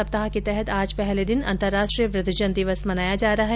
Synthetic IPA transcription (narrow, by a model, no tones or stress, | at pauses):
ɐp̚t̪aɦaket̪ɛɦɛt̪aːd͡ʒpɛɦled̪ɪnɐ̰̃nt̪əɾːaːʃʈɾijəpɾɪt̪ɪd͡ʒənd̪ɪʋəsmɐnaːjad͡ʒaːɾɐɦaɦ